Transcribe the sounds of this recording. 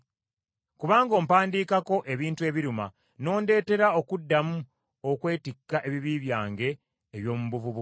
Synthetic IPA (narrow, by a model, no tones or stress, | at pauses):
kuβaːŋɡo̞ːmpaːndiːkako̞ʔe̞βiːntue̞βiɾuma | no̞ːnde̞ːte̞ɾao̞kudːamu | okwe̞ːtikːaʔe̞βiβiːβjaːŋɡe̞ː | βjo̞ːmuβuvuβu